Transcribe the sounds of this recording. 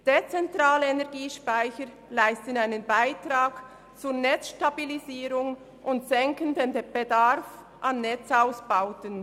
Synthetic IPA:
d̥et͡sɛntʁaːləenɛʁɡiːʃpaɪçəɾ | laɪstənaɪnənbaɪtʁaːk | t͡suːɐnɛt͡sʃtabiliziːɾʊŋ | ʔʊntsɛŋkəndendb̥edaɾf | ʔanːɛt͡saʊsb̥aʊtən

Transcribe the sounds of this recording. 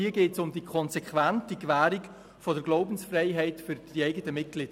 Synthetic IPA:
iəɡeːtsʊmdikʰχɔnsɛkʰʋæntikʋæːɾɪk | fɔdəɾɡloʊbənsfreɪɦɛɪtfʏɾd̥iɛɪɡətəmɪt̚ɡ̥lɪd̥

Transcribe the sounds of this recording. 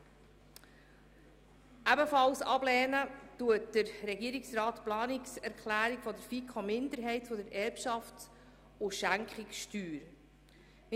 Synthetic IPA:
ʔæbəfɑlsɑblɛːnətuət̚d̥əɾɾɛɡiəɾiksɾɑːtplɑːniksɛɾkχlæːɾiɡ̥fɔdəɾfikχɔmɪnd̪əɾɦɛɪtfɔdəɾɛɾpʃɑft | ʊʃæŋkχɪkʃtyːɾ | m

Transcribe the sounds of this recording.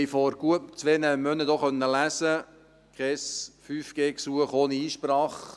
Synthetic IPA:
jfɔɾɡ̥uətmt͡sʋeːnəmœnəd̪oχœnːəlæsə | kχɛsfyːfɡ̥eːksuəχoːniiːʃpɾɑːχ

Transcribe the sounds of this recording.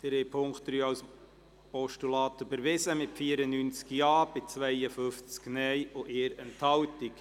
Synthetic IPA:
d̪̥əɾɛpʰʊŋktɾyːɑws | pɔʃtulɑːt̪əbəɾʋɪsəmɪtfiəɾənynt͡skjɑːb̥ɪt͡sʋɛjəfʏft͡sknɛjʊʔeːɾɛnthɑwtik

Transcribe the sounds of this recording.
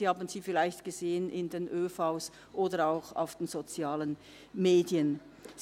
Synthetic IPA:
ihaːbən̩z̥iːfɪlaɪçtɡ̥əzeːənʔɪ̰ndeːnʔøːfaʊs | ʔoːdəaʊxa̰ʊfd̥eːnz̥ot͡sjaːlən | meːdjən

